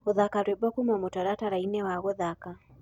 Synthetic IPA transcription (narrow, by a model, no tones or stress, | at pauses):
oðakaɾwɛbɔkumɔmotaɾataɾainɛwaɣɔðaka